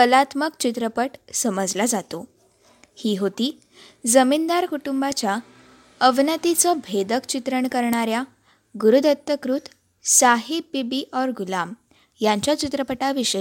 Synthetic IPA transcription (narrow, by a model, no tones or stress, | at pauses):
kəlat̪məkt͡ɕit̪ɾəpəʈsəməd͡zlad͡zat̪o | hiːɦot̪iː | d͡zəmind̪aɾkuʈumbat͡ɕja | əʋnət̪it͡sɔbʱed̪əkt͡ɕit̪ɾəɳkəɾɳaɾja | ɡuɾud̪ət̪jəkɾut̪ | saɦibibiʔɔɾɡulam | jaɲt͡ɕjat͡ɕit̪ɾəpəʈaʋiɕə